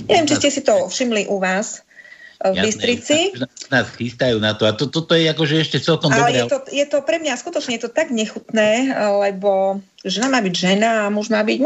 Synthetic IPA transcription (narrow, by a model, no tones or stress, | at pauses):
ɲɛ̰ʋjɛmt͡ʃiscɛsit̪ɔfʃimliʔuʋaːs | vbisɾit͡sinaːsxist̪ajuːnat̪ɔat̪ɔt̪ɔt̪ɔjɛakɔʒɛɛʃcɛt͡sɛlkɔmaɔlɛjɛt̪ɔjɛt̪ɔpɾɛmɲaskut̪ɔt͡ʃɲɛjɛt̪ɔt̪aɡɲɛxut̪nɛːlɛbɔ | ʒɛnamaːbiɟʒɛnaamɔʒmaːbiɟ